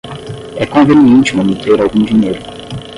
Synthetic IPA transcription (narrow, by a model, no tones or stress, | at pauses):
ɛkõveniẽnt͡ʃɪũmɐ̃mut̪eɾawɡũd͡ʒiɲejɾʊ